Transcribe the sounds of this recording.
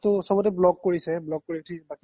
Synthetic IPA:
tosɔbɔtɛblɔkːoɹisɛblɔk̚kːoɹitʰibaki

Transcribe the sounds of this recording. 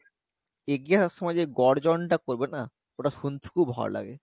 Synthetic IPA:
eɡiaaʃɔmad͡ʑeɡɔɽd͡ʑɔnʈakoɾbena | oʈaʃunt̪ʰu̥kʰubʱɔ̰ɾla̰ɡḛ

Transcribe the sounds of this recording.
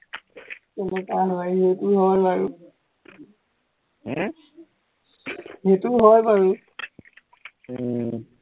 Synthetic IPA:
kɛnɛkaɦɔjɦetuɦɔjpaɹu | hetʊɦɔjbaɹu

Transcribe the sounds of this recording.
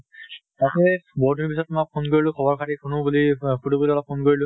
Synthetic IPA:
tatɛbɔɹdunp̬isɔtmak̚pʰonkoɹilʊ̃kʰɔbɔɹkʰatipʰunubulipʰutubuliɔlɔp̚pʰːonkoɹilʊ̃

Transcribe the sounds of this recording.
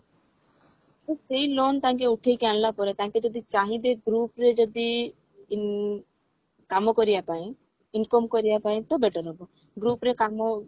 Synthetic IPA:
t̪ɔseilont̪ãŋkeuʈʰejkeanlapɔɾet̪aŋked͡ʒɔd̪it͡ʃaɦĩd̪eɡɾupɾed͡ʒɔd̪i | kamɔkɔɾijapaĩ | inkɔmkɔɾijapaĩt̪ɔbɛʈəɾɦɔbɔ | ɡɾupɾekamo

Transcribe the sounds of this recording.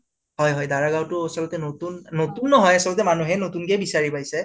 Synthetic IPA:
ɦɔjɦɔjdaɹaɡawtʊasɔlɔtɛnotunːotunːɔɦɔjasɔlɔt̬ɛmanuɦɛnotunkɛbisaɹipajsɛ

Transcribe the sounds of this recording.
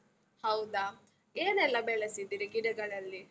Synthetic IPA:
hɐwd̪a | eːnɛlːɐbɛɭesid̪iːɾiɡiɽɐɡɐɭɐlːi

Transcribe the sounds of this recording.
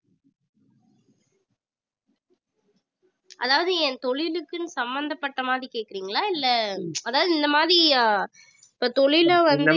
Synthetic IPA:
ʔɐ̰ðaːʋɐðɯɛ̃nt̪ɔɻɪlɯkːɯnɯsɐmbɐnd̪ɐpːɐʈːɐmaːðɾikeːʈkɪɾiːŋɡɐɭaːɪlːɛɐðaːʋɐðɯɪnd̪ɐmaːðɾi | ɪpːoːt̪ɔɭɪlʋɐnd̪ɯ

